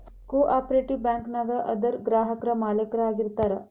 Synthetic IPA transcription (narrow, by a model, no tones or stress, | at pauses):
koʔaːpɾeʈiʋbɛ̃ŋknaɡ̪aʔəd̪əɾɡɾaːɦəkɾɐmaːlekɾaaːɡiɾt̪aːɾa